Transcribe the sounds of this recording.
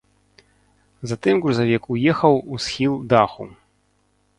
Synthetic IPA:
zat̪ɨmɣɾuzavʲɛkujɛxɐwusxʲilˠd̪axṵ

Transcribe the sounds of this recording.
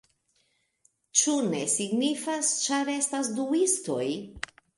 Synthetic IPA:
t͡ʃune̞̰siɡnifast͡ʃaɾe̞stasduisto̞̰j

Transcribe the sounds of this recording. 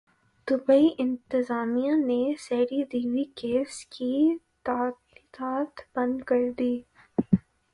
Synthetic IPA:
d̪̥ʊbaiʔɪ̃nt̪ɪzaːmijãneseːɖid̪iːwikeːskʰit̪ad̪iqaːt̪b̥ɐ̃nd̪kɐɾd̪iː

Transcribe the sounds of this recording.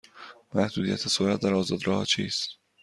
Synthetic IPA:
mæhd̪uːd̪ijæ̰t̪ʰesoɾæt̪̚d̪æɾɒːzɒːd̪ɾɒːhɒ̰t͡ʃʰiːst̪

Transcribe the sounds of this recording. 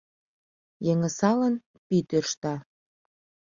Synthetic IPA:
jeŋə̆sɑlən | pit̪ørʃt̪ɑ

